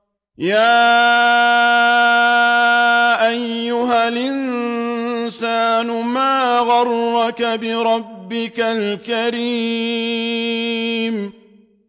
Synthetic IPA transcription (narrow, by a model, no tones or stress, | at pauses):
jaː | ʔajːʊɦalʔɪn | saːnʊmaːɣɑrːɑkabɪɾˤɑbːɪkalkaɾi | m